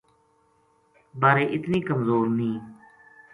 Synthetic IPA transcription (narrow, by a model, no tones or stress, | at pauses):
baːɾeːʔɪt̪niːkəmzoːɾnĩː